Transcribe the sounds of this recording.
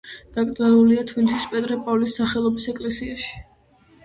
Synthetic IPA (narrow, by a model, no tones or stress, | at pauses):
d̪̥akʼɾd̪zanuliat̪ʰvilisispʼɛt̪ʼɾɛpʼɔvlisːaχɛlˠɔbisɛkʼlɛsiaʃi̥